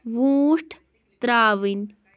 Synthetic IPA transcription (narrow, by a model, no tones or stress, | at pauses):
ʋũːʂʈʰ | t̪ɾaːʋin